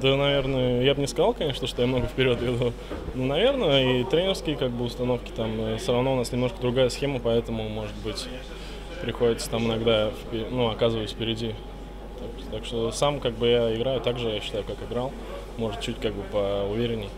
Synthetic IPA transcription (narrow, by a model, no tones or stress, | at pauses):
d̪ənɐvʲe̞rnəəjabnʲɪskɐzalˠkɐnʲe̞ʂnəʂt̪o̞jamno̞ɡəfʲpʲɪɾʲo̞t̪vʲɪd̪u | nunɐvʲe̞rnəit̪ɾʲenʲɪrskʲɪəkaɡ̚bɨʊst̪ɐno̞fkʲɪ̥t̪aməsʲoɾɐvno̞ʊnasnʲɪmno̞ʂkəd̪ɾʊɡajəsxʲe̞məpɐɛt̪əmʊmo̞ʐɨt̪̚bɨtʲ | pɾʲɪxo̞dʲɪt̪sət̪amɨnɐɡd̪afpʲɪnuɐkazɨvəjɪsʲfʲpʲɪɾʲɪdʲi | t̪akt̪akʂt̪o̞samkaɡ̚bɨjaɪɡɾajʊt̪aɡʐɨjaɕːɪ̥t̪ajʊkakɨɡɾalˠ | mo̞ʐɨt̪̚t͡ɕːutʲkaɡ̚bɨpəʊvʲeɾʲɪnʲɪj